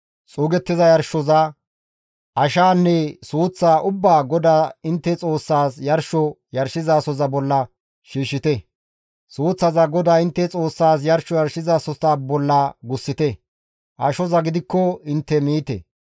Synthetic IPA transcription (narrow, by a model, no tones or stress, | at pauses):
t͡sʼuːɡɛt̪ːɪzɐjɐɾʃɔzɐ | ʔɐʃaːnːɛsuːt͡sːaːʔʊbːaːɡɔd̪aːɪnt̪ːɛt͡sʼo̞ːsːaːsjɐɾʃɔ | jɐɾʃɪzaːsɔzɐbɔlːɐ | ʃiːʃːɪt̪ɛ | suːt͡sːɐzɐɡɔd̪aːɪnt̪ːɛt͡sʼo̞ːsːaːs̬jɐɾʃɔjɐɾʃɪzaːsɔzɐbɔlːɐɡʊsːɪt̪ɛ | ʔɐʃɔzɐɡɪd̪ɪkːɔɪnt̪ːɛmiːt̪ɛ̰